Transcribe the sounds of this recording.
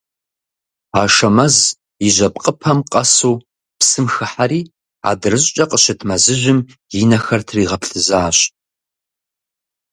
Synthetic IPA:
aːʃɐmɐz | iʑɐpʼqʼəpʰɐmqʼɐsuː | psɨmxɨħaɾiː | a̰ːdɨrɨɕʼt͡ʃʼɐqʼəɕɪtʰmɐzɨʑʷɪm | jɪnɐxɐrtʰriːʁɐpɬɨzaːɕʼ

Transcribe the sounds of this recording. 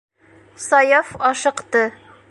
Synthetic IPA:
sɒjɑfɒʃɤ̆qt̪ɤ

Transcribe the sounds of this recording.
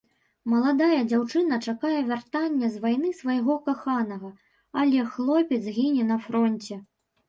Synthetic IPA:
mɐlˠad̪ajɐd͡zʲawt͡ʂɨnɐt͡ʂakajɛvʲart̪anʲːɐzvajn̪ɨsvɐjɣɔkaxanɐɣɐ | ɐlʲɛxlˠɔpʲɛd̪zɣʲinʲɛnɐfɾɔnʲt͡sʲɛ

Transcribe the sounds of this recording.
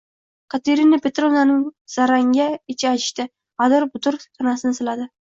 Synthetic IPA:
kʰat̪ʰeɾɪnapʰet̪ɾonanɪŋz̥aɾaŋɡʲaɪt͡ʃʰaat͡ʃʰɪ̥ʃt̪ɪ | ad̪ɒɾbʊt̪ʰʊɾsʰanasɪnɪsɪlad̪ɪ

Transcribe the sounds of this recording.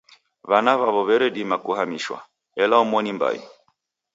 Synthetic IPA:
βanaβaβɔβɛɾɛɗimakuhamiʃwa̰ | ɛlaɔmwɔnimba̰jḭ

